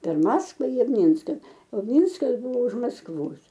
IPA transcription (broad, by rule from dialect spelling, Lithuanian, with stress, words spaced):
pʲɛr ˈmɑːskʋɐ ɪ ˈmʲiːnskɐ oː ˈmʲiːnskɐs ˈbʊʋoː ʊʃ mɐskˈʋoːs